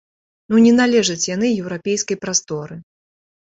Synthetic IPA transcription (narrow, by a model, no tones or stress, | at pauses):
nunʲɛnalʲɛʐɐt͡sʲjanɨjɛwɾapʲejskɐjpɾast̪ɔɾɨ